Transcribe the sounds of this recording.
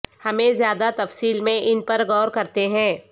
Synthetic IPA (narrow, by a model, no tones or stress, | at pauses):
hɐmẽzjaːd̪at̪ɐfsiːlmẽʔɪnpɐɾɣɔːɾkɐɾt̪eɦɛ̃ː